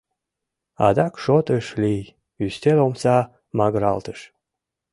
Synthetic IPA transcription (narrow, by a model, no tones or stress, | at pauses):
ɑ̰d̪ɑkʃot̪əʃlij | yst̪elomsɑ | mɑɣɾɑ̰lt̪əʃ